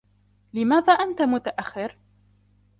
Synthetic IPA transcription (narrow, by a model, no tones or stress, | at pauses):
lɪmaːðaːʔant̪amʊt̪aʔaxːɪɾ